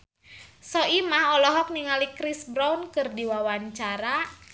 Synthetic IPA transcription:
sɔimaɦɔlɔɦɔk̚niŋalikɾisbɾaunkɨrdiwawaɲt͡ʃaɾa

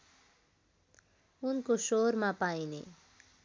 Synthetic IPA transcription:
unkosoɾmapajnḛ

